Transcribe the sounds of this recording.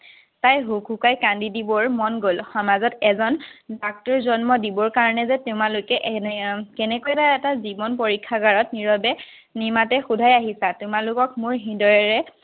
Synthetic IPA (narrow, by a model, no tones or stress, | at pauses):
tajɦukʰukajkandidibɔɹmɔnɡolxɔmazɔtɛzɔndak̚tɔɹzɔnmɔdibɔɹkaɹɔnɛzɛtʊmalojkɛʔkɛnɛkojɛtaɛtazibɔnp̬ɔɹikʰːaɡaɹɔtniɹɔbɛ | nimatɛxudʱajaɦisatʊmalʊkɔkmʊɹɦindɔɹɛɹɛ